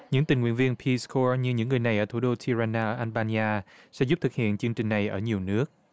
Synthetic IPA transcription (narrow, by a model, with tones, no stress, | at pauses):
ɲɨ̰˧˥ŋt̪i˨˩ŋwḭ˧˨ənvi˧ənpʰi˧skʰɔ˧ɲɨ˧ɲɨ̰˧˥ŋː˨˩əjna˨˩jʔəː˧˩t̪ʰu˧˩˦ɗo˧t̪ʰi˧za˧naː˧ʔəː˧˩ʔa˧nɓaː˧ni˧aː˧ | sɛ̰˧˥zu˦˥p̚t̪ʰɨ˨˩k̚hḭ˧˨ənt͡ɕɨ˧əŋt͡ɕï˨˩ŋ̟na˨˩jʔəː˧˩ɲi˨˩əwnɨ˦˥ək̚